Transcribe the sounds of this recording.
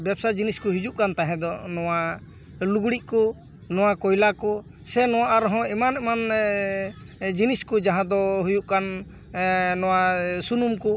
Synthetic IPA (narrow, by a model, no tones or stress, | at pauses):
bjɛbsad͡ʒiniskɔɦid͡ʒuʔkant̪aɦɛ̃d̪ɔnɔwa | luɡɽiʔkɔ | nɔw̃akɔjlakɔ | sɛnɔw̃aʔaɾɔɦɔ̃ɛmanɛman | d͡ʒiniskɔd͡ʒaɦãd̪ɔɦujuʔkan | nɔwasunumkɔ